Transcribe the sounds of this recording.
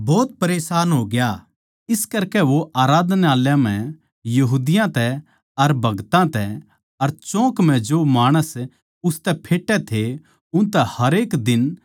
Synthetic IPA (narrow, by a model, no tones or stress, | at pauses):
bɔːt̪̚pɐɾeːsaːnɦoːɡɪjaː | ɪskɐɾkɛʋoʔaːɾaːd̪neaːljãm̤ɛ̃ | jɐɦuːd̪ɪjãt̪ɛ | ɐɾbʱɐɡt̪ãt̪ɛ | ɐɾt͡ʃɔ̃ːkm̤ɛ̃d͡ʒomaːɽ̃əs | ʊst̪ɛpʰeːʈːɛt̪ʰe | ʊ̃nt̪ɛhɐɾeːkd̪ɪn